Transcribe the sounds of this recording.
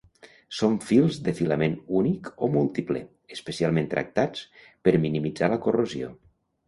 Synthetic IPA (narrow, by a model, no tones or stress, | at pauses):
soɱfilˠzðəfiləmenunikomulˠt̪iplḛ | əspəsialˠment̪ɾʔə̰k̚t̪at͡spəɾminimid͡zaləkorozio̰